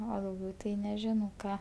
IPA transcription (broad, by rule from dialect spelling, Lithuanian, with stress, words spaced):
oː dɐʊˈɡʲɛʊ tɐɪ nʲɛˈʒʲɪnɐʊ ˈkɑː